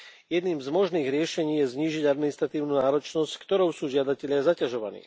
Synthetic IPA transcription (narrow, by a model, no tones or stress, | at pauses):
jɛd̪niːmzmɔʒniːɣɾɪɛʃɛɲiːjɛzɲiːʒiɟad̪minist̪ɾat̪iːʊnuːnaːɾɔt͡ʃnɔsckt̪ɔɾɔʊsuːʒɪad̪acɛʎɪazacaʒɔʋa̰nḭː